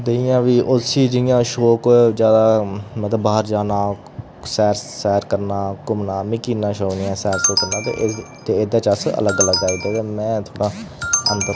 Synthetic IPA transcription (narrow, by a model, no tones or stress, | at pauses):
d̪eijãːʋiːʔʊsiːd͡ʒɪɪjãːʃoːkd͡ʒjaːd̪aːmət̪ləbaːəɾd͡ʒaːnaː | sɛːɾsɛːɾkəɾnaːkʊmnaːmɪkiːnãːʃoːnɪjãːsɛːɾsoːkəɾnaːt̪ḛʔt̪eːɪd̪aːt͡ʃəsə̰ləɡələɡaːid̪eːeːmɛ̃ːt̪ʰoːɽaːə̰nt̪ə